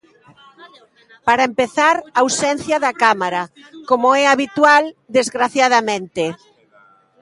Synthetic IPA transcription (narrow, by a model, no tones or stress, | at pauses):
paɾɐempeθaɾawsɛn̟θjɐðakamaɾa | komoɛaβit̪wald̪ezɣɾaθjaðamẽnt̪e